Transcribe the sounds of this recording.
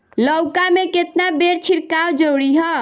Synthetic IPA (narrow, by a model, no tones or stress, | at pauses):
ləwkameket̪nabeɾt͡ʃʰiɾkawd͡ʒəwɽiɦə